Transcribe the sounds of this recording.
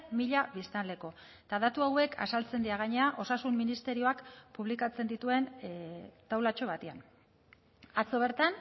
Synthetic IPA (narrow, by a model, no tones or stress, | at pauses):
miʎaβist̪and̪e̞ko̞ | t̪aðat̪uawe̞kʰa̰salt͡se̞nd̪iaɣaɲe̞aʔo̞sasumːinist̪e̞ɾio̞akpuβ̞likat͡se̞nd̪it̪ue̞n | t̪awlat͡ʃo̞βat̪ean | at͡so̞β̞e̞ɾt̪an